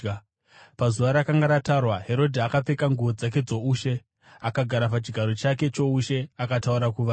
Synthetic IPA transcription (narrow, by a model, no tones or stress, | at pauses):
pazuʋaɾakaŋɡaɾatarwaɦe̞ɾo̞dʱiakap͡fe̞kaŋɡuʋo̞d͡zak̬e̞d͡zo̞uːʃe̞ | akaɡʱaɾapat͡ʃiɡʱaɾo̞t͡ʃak̬e̞t͡ʃo̞uʃe̞akatauɾakuʋa